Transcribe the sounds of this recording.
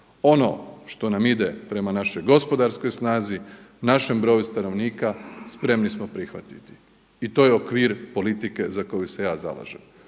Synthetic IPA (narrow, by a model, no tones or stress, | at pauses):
o̞no̞̰ʃt̪o̞namid̪e̞pɾe̞manaʃo̞jɡo̞spo̞d̪aɾsko̞jsnaːzinaʃe̞mbɾo̞ːjust̪ano̞ʋniːkaspɾe̞mnismopɾixʋa̰t̪i̥t̪i̥ | it̪ojeokʋiːɾpo̞lit̪ike̞zako̞juse̞jaːza̰la̰ʒem